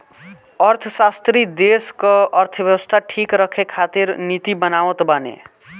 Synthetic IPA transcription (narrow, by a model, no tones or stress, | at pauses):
əɾt̪ʰəsast̪ɾid̪eskəəɾt̪ʰəbjəwəst̪ʰaʈʰikɾəkʰekʰaːt̪iɾnit̪ibənaːʋət̪banḛ